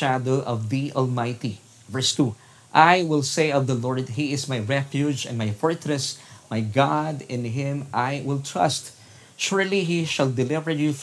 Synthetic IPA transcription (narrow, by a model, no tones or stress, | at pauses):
ad̪oʊʔɔvðiʔɔlmajt̪i | vɛɹst̪u | ʔajwɪlseɪʌvðɐlɔɹd̪̚hiɪsmajɹɛfjud͡ʒɛ̰̃nmajfɔɹt̪ɹɛsmajɡad̪ɪ̃nɦɪ̃mʔajwɪlˠt̪ʰɹʌ̰st̪ | ʃʊɹliɦiʃald̪ɪlɪvə˞ju